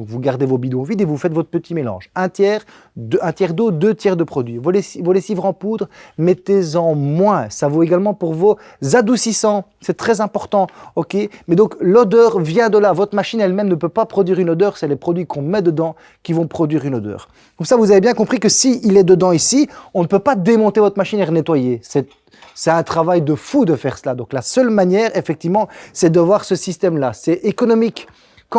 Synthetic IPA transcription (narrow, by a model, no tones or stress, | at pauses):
ɔ̃kvuɡaʁd̪evobid̪õvid̪evufɛt̪vɔt̪χpət̪imelɑ̰̃ːʒɛ̃t̪jɛːʁ | d̪øɛ̃t̪jɛʁd̪od̪øt̪jɛʁd̪əpχɔd̪ɥivolesivolesivʁɑ̃pud̪ʁmet̪ezɑ̃mwɛ̃savoeɡalmɑ̃puʁvo | zad̪usisɑ̃sɛt̪χɛzɛ̃pɔʁt̪ɑ̃ɔkʲemɛd̪ɔ̃klɔd̪œːʁvjɛ̃d̪əlavɔt̪χəmaʃinɛlmɛmnəpøpapχɔd̪ɥiʁynod̪œːʁsɛlɛpχɔd̪ɥikɔ̃mɛd̪əd̪ɑ̃ | kʲivɔ̃pχɔd̪ɥiʁynod̪œ̰ːʁ | kɔmsavuzavebjɛ̃kɔ̃pχikəsiʔilɛd̪əd̪ɑ̃isiɔ̃nəpøpad̪emɔ̃t̪evɔt̪χmaʃinɛʁnet̪wajesɛ | sɛt̪ɛ̃t̪χavajd̪əfud̪əfɛʁsəlad̪ɔ̃klasœlmanjɛːʁefɛk̚t̪ivmɑ̃sɛd̪əvwaʁsəsist̪ɛmlasɛʔekɔnɔmikː